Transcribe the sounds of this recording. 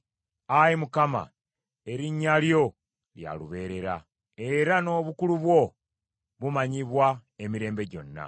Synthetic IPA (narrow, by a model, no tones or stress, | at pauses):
ajimukama̰ | e̞ɾiɲːaljo̞ | lja̰luβe̞ːɾe̞ɾa̰ | e̞ɾano̞βukuluβwo̞ | βumaɲiβwaemiɾe̞ːmbe̞ɟo̞̰nːa̰